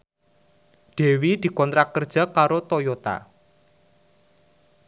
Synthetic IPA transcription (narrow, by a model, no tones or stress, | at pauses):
ɖ̪̥e̤wid̪̥i̤kɔnt̪ɾakərd̥ʒ̥a̤kaɾot̪ojot̪a̰